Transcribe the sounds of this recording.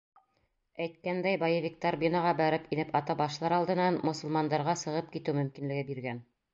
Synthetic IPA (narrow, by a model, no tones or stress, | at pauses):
æjt̪̚kænd̪æjbɑjɤvʲik̚t̪arbʲinɑʁɑbæɾɘpinɘpɑt̪ɑbɑʃlˠɑɾɑlˠd̪ɤ̆nɑnmŏsɤ̆lˠmɑnd̪ɑɾʁɑsɤ̆ʁɤp̚kit̪ɘwmɵ̆mkinlɘ̆ɡɘbiɾɡæn